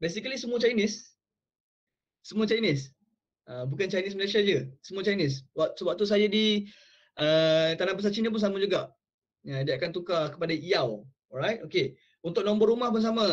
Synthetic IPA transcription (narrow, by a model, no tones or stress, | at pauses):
bes̬ikəlisəmuət͡ʃajnɪs | əmũət͡ʃajnɪs | ʔəbukant͡ʃajnɪs̬məles̬iad͡ʒəsəmuət͡ʃajinɪs̬waʔsəbap̚t̪us̬ajadi | ʔət̪anabəs̬at͡ʃinəp̬ʊns̬amad͡ʒuɡaʔ | adiaʔkant̪ukakə̥padaʔiaw | ɔɾajt̚oke | unt̪ʊkʔ̚nɔ̃mbɔrɾumahpuns̬ama